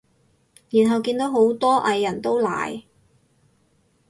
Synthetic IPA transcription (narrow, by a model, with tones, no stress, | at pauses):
jiː˨˩nɦɐ˨wkiː˧nt̪o˨˥wɦo˨˥wt̪ɔː˥ʔɐ˧jːɐ˨˩nt̪o˥wla̰ː˨˩j